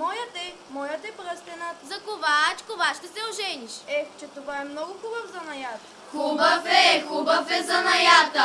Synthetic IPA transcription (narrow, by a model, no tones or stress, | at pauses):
mɔjət̪ɛ | mɔjət̪ɛpɾəst̪ɛnət̪zɐkovat͡ʃkovaʃt̪ɛsɛoʒɛniʃɛt͡ʃɛt̪ovaɛmnɔɡʊxubəfzɐnɐjat̪ə | xubəfɛxubəfɛzɐnɐjat̪ə